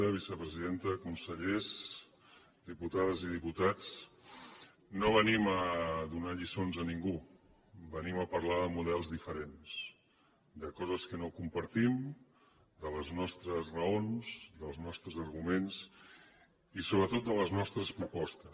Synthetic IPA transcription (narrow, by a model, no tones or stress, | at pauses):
əβ̞isəpɾəziðent̪əkunsəʎez | d̪iput̪aðəzið̞iput̪at͡s | noβəniməðunaʎisonzəniŋɡu | bəniməpəɾlaðəmuðɛlˠzðifəɾens | d̪əkɔzəskənokumpəɾt̪im | d̪ələznɔst̪ɾəzrəonzd̪əlˠznɔst̪ɾəzəɾɣumens | isoβɾət̪ot̪̚d̪ələznɔst̪ɾəspɾupɔst̪ə